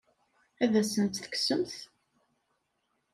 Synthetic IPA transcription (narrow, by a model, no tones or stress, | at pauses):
æðæsənt̪θə̥ksəmθ